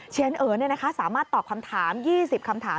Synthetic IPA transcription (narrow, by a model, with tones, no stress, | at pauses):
t͡ɕʰe˧˦nʔɤː˨˩ni˥˩ɐna˦kʰa˦˥saː˩˦maː˥˩t̪ːɔː˨˩p̚kʰa˧mt̪ʰaː˩˦mjiː˥˩si˨˩p̚kʰa˧mt̪ʰaː˩˦